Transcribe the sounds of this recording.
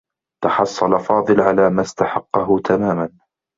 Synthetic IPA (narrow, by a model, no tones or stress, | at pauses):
t̪ɑħɑsˤːɑlafɑːðˤɨlʕalaːmast̪aħɑqːɑɦʊt̪ʰamaːman